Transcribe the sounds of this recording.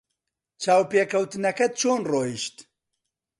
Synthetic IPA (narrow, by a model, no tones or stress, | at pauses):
t͡ʃʰaːwpeːkʰɐwt̪ɨnɐkɐt̪̚t͡ʃʰoːnroːjiʃt̪